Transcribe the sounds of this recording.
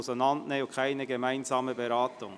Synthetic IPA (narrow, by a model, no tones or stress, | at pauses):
sənɑntnɛʊkʰaɪnəɡəmaɪnzɑːməbeɾaːtʊŋ